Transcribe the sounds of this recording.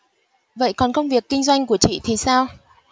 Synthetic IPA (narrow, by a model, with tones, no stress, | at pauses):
və̰˧˨jkɔ˨˩nxə˧wŋ͡mvi˨˩əkːï˧ŋ̟zwa˧jŋ̟ku˧˩ət͡ɕḭ˧˨t̪ʰi˨˩saː˧w